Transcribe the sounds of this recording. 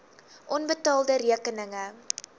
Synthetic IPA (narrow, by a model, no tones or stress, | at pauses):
ʔɔnbətɑːlˠdəɾiəkənəŋə